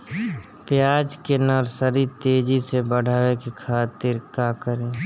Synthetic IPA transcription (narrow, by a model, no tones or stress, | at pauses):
pjaːd͡ʒkenəɾsəɾit̪eːd͡ʒisebəɽ̤ʱaːʋekikʰaːt̪ɪɾkaːkəɾẽː